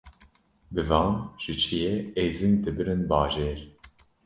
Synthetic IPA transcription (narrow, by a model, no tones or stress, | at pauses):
bɨvɑːnʒ̥ɨt͡ʃʰijeeːzɨnd̪ɨbɨɾɨnbɑːʒeːɾ